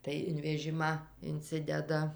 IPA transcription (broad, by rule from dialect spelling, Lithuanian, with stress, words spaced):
tɐɪ ɪn ʋʲɛˈʒʲɪmɑː ɪnʲˈt͡sʲɪdʲɛdɐ